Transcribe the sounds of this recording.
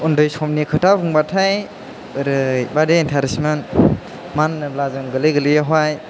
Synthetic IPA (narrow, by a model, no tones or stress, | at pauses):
undɯjsɔmnikʰɯtabuŋbatʰaj | ɯɾɯjbadeintʰaɾismen | manːɯblazɯŋɡɯlɯjɡɯlɯjaɦwaj